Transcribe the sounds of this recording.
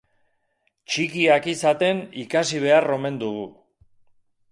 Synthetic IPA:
t͡ʃikiakisat̪e̞nikasiβ̞e̞aro̞me̞nd̪uɣu

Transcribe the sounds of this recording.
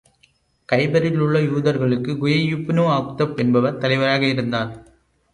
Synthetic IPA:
kɐɪbɐɾɪlʊɭːɐjuːðɐɾɣɐɭɯkːɯɡʊjɐjʊpːnoːaːkt̪ɐpɛnbɐʋɐɾt̪ɐlɪʋɐɾaːɣɐɪɾɯnd̪aːn

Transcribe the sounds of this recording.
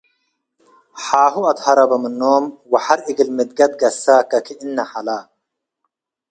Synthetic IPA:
ħaːɦuɐt̪hɐɾɐbɐmənːoːmwɐħaɾiɡilmid̪̚ɡɐt̪̚ɡɐsaːkakʰiʔinːɐħalaː

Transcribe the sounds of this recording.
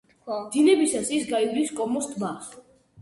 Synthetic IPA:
d̪̥inɛbisasisɡaivliskʼɔmɔst̪ʼmas

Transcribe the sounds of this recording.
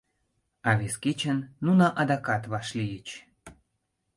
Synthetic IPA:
ɑβeskit͡ɕənːunɑʔɑd̪ɑkɑt̪βɑʃlijət͡ɕ

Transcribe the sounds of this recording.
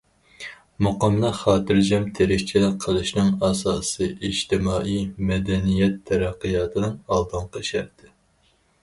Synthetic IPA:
moqɑmlˠɨχɑːt̪ɨɾd͡ʒɛmt̪ʰeɾɪkʲt͡ʃʰilɪqʰːəlˠɨʃnɨŋɑsɑːsɨʔiʒt̪ɪmɑːijmɛd̪ɛnijɛt̪ʰːɛɾæqːɨjɑːt̪ʰɨnɨŋɑlˠd̪ɨɴqʰɑʃæ̰ɾt̪ʰɪ

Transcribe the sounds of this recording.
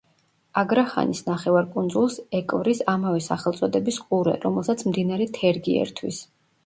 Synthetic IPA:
aɡɾaχa̰nisnaχɛvaɾkʼund̪zulˠsɛkʼvɾisamavɛsaχɛlˠt̪sʼɔd̪ɛbisqʼuɾɛ̰ɾɔmɛlˠsat̪sʰmd̪inaɾɛt̪ʰɛɾɡiɛ̰ɾt̪ʰwḭs

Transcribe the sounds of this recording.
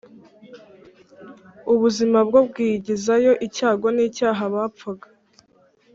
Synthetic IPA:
uβuzimab̚ɡo̞bɡiːɟizajo̞ʔicaːɡo̞niːcaːɦaβaːp͡faɡḁ

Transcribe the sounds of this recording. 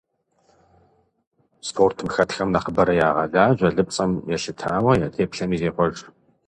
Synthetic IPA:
spʰoːrtʰɨmxɐtxɐmnɐqəbɐɾɐjaːʁɐɮaːʑʷɐɮɨp̚t͡sʼɐmjɛʃɪtʰaːwɐjaːtʰeːpɬɐmiːzeːqʷɔʒ

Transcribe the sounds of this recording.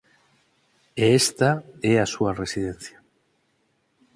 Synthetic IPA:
eest̪aeasuare̞sið̞en̟θja

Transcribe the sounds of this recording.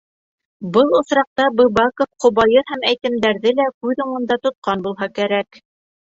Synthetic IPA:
bɤlˠŏsɾɑq̚t̪ɑbɤ̆βɑkofqŏβɑjɤɦæmæjt̪ɘ̆md̪æɾðɘlækʉðŭɴɤ̆nd̪ɑt̪ŏt̪̚qɑnbulˠɦɑkæɾæk

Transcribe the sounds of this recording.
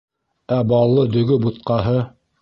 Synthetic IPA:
æbɑlˠːɤd̪ɵ̆ɡɵbut̪̚qɑɦɤ

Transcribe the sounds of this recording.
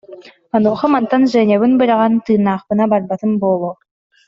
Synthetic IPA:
anoːχɔmant̪anʒɛnʲɛβɯnbɯɾaʁant̪ɯːnaːχpɯnabaɾbat̪ɯmbolˠoː

